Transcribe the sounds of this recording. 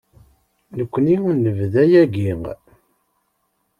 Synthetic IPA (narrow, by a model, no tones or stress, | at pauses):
nəkʷːniunəvðæjæɡiŋ